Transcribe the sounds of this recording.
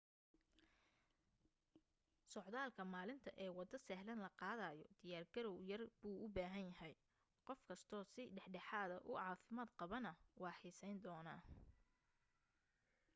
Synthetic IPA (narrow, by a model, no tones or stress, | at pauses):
sɔʕðaːlkʰɐmaːlɪnt̪ʰɐʔɛːwɑd̪ɐsɛɦlɐnlɐqɑːðɐːjɔ̰d̪̥ɪjaːrɡɐɾɔwjɐrbuːʊbaːɦɐnjɐɦɛj | qɔfkʰɐst̪ʰɔːsɪɖɛħɖɛħaːðɐʔʊʕɑːfɪmaːd̪qɑβɐnɐwɑːħiːsɛjnd̪ɔːnaː